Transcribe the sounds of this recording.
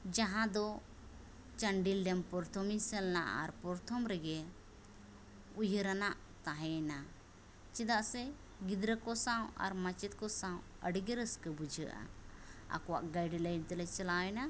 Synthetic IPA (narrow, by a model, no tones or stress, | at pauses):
d͡ʒaɦãd̪ɔ | t͡ʃəɳɖilɖɛmpɔɾt̪ʰɔmisɛlnaʔa̰ɾpɔɾt̪ʰɔmɾɛɡɛ | ujɾanaʔ | t̪aɦɛna | t͡ʃɛd̪aʔsɛ | ɡid̪ɾəkɔsaw̃a̰ɾmat͡ʃɛt̪̚kɔsãw̃ | əɖiɡəɾəskəbud͡ʒʱəʔa̰a̰kɔwaʔɡajɖilajnt̪ɛlɛt͡ʃɛlaɛna